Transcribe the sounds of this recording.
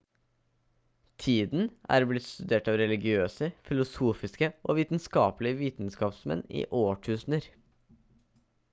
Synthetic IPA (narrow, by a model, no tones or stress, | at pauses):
t̪ʰiːd̪n̩ʔæ̰ːɾblɪt̪st̪ʉd̪eːʈɑːʋɾɛlɪɡɪøːsəfɪlʊsuːfɪskəʔoːʋiːt̪n̩skɑːplɪəʋiːt̪n̩skɑːpsmɛ̰nḭːʔoːʈʰʉːsn̩əɾ